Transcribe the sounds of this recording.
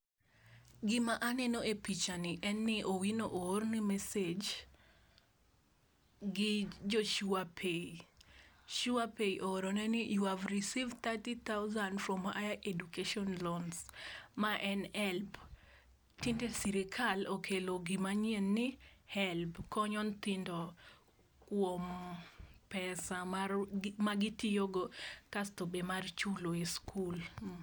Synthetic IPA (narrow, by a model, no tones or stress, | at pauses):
ɡɪmaʔanɛnoepit͡ʃanɪʔɛnːɪʔowinoʔoɾnɪmɛsed͡ʒ | ɡɪd͡ʒoʃuapʰei | ʃuapeiʔoɾonɛnɪjuhavɾisivt̪atit̪aʊzandfɾɔma̰jaʔedukeʃɔnlɔnsmaʔɛnɛlp | tindesiɾɪkʰalokʰeloɡɪmaɲienːɪhɛlpkɔɲɔnt̪ɪndɔ | kwom | pɛsamarmaɡitijoɡokastobemart͡ʃuloiskul